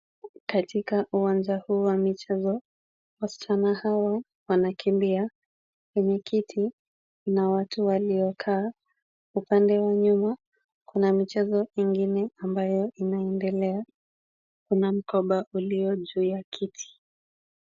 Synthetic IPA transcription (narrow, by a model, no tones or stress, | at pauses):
katikaʔuwand͡ʒahuːwamit͡ʃɛzɔ | wast͡ʃanahawa | wanakimbia | kwɛɲɛkʰitʰi | nawatuwaliɔkʰaː | upandɛwaɲuma | kunamit͡ʃɛzɔmiŋɡinɛambajɔʔinaɛndɛlɛa | kunam̩kɔɓaʔuliɔʄuːjakʰitʰi̥